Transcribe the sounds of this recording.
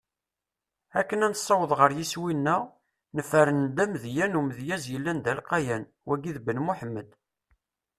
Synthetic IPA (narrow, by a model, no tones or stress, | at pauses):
ækːənænəsˤːɑwəðˤʁəɾjiswinːæ | nəfəɾənd̪æmðjænuməðjæzjəlːænd̪ælqɑjæn | wæɡiðbənmuħəmːəd̪